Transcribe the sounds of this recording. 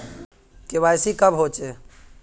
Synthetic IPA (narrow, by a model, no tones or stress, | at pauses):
keʋajsikəbɦot͡ʃe